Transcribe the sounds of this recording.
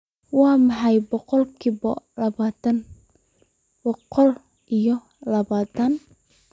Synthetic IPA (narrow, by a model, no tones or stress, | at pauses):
wɑːmɑħɑjbɔqɔlkʰiβɔlɐβaːt̪ɐn | bɔqɔl | ʔijɔ | lɐβaːt̪ʰɐn